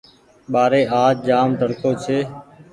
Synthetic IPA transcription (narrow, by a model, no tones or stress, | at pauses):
ɓaːɾeːʔaːd͡ʒ̚d͡ʒaːmd̪ʱəɽkʰoːt͡ʃʰeː